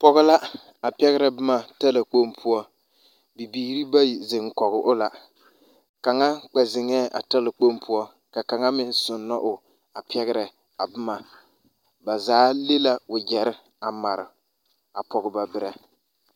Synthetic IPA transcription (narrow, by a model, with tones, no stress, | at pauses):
pɔ˨ɣɪ˦la˦ | a˨pɛ˦ɣɪ˦ɾɛ˨bɨ˦ma˨ta˦la˨k͡po˦mpʰu˦ɔ˦ | bi˨biː˦ɾi˦ba˦˨zɪ˨ŋkɔ˨ɣɪ˨ʔʊ˦la˨ | ka˨ŋa˦k͡pɛ˨zɪ˨ŋɛː˦˨ʔa̰˨ta˦lɪ˨k͡po˦mpʰu˦ɔ˦ | ka˨ka˨ŋa˦mɪ˦nsʊ˨nːɔ˦ʔʊ˨ | a˨pɛ˦ɣɪ˦ɾɛ˨ | a˨bɪ˦ma˨ | ba˨zaː˨˦le˦la˦ʊ˨d͡ʒɛ˨ɾɪ˦ | a˨ma˨ɾɪ̰˨ | a̰˨pɔ˨ɣɨ˨ba˨bɪ˦ɾɛ˨